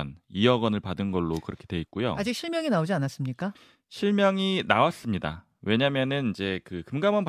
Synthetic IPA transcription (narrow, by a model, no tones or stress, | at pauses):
nijʌɡʌnɯɭpadɯnɡʌɭːokɯɾʌkʰe̞dwe̞it̚k͈ujo̰ad͡ʑik̚ɕʰiɭmjʌŋinaod͡ʑianas͈ɯmɲik͈a | ɕʰiɭmjʌŋinawas͈ɯmɲida̰ | we̞ɲamjʌnɯnid͡ʑe̞kɯkɯmɡamʌnp